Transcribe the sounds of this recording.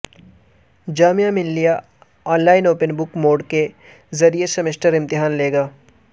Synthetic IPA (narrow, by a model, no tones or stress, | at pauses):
d͡ʒaːmijamɪlːija | ɔːnlaːɪnoːpənbʊkmoːɖke | zɐɾijesɐmɪʃʈəɾɪ̃mt̪ɪɦaːnleːɡaː